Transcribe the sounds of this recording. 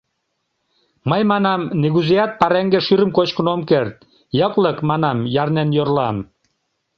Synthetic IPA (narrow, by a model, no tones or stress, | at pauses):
məjmɑnɑmneɣuzejɑt̪̚pɑɾeŋɡeʃyɾəmkot͡ɕkənomkert̪̚ | jəkləkmɑnɑmjɑrnenjorlɑm